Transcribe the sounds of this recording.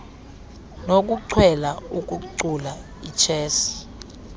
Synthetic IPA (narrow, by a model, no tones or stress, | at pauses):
nok̬ʼuǀʰwɛlauk̬ʼuǀula | it͡ʃʰɛːsi̥